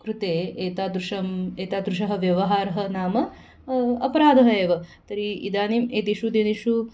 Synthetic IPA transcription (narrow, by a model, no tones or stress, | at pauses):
kɾut̪eːeːt̪aːd̪ɾuʂɐmeːt̪aːd̪ɾuʃ̬ɐɦɐ̆ʋjɐʋɐɦaːɾɐɦɐnaːmɐ | ɐpɐɾaːd̪ʱɐɦɐeːʋɐt̪ɐɾiid̪aːnimeːt̪iʃud̪eniʃu